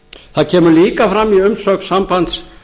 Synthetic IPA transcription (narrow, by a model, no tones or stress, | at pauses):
θaðcʰɛːmʏliːkafɾamːiʏmsœksampant̪s